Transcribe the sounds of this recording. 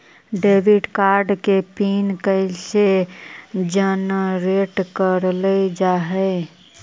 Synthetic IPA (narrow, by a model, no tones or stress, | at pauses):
ɖebiɖkaɾɖkepinkəɪse | d͡ʒənɾeʈkəɾləd͡ʒaɦəɪ